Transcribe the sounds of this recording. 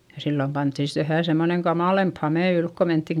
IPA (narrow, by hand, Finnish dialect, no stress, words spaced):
jɑ silːom pɑntːi sit ʋæhæˑ semːoneŋ kɑmɑˑlemp hɑmeˑ ylk ko mentːiŋ